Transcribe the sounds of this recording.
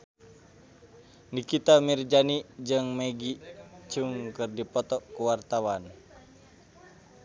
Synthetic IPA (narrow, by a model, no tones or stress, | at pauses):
nikit̪amird͡ʒanid͡ʒɨŋmɛɡit͡ʃuŋkɨrdipɔt̪ɔkuwart̪awan